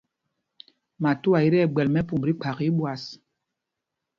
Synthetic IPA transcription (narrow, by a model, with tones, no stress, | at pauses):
ma˨tu˦a˨i˦ɾɛ˦˨ɡ͡bɛ˨lmɛ˦pu˨mbɾi˦k͡pʰa˨ki˦ɓwa˨s